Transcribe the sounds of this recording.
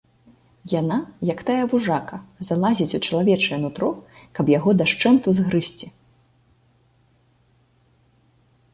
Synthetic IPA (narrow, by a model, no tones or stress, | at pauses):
janajɐkt̪ajɐvuʐakɐzalˠazʲit͡sʲut͡ʂɐlˠavʲɛt͡ʂɐjɛnut̪ɾɔkɐbjaɣɔd̪aʂt͡ʂɛnt̪uzɣɾɨsʲt͡sʲi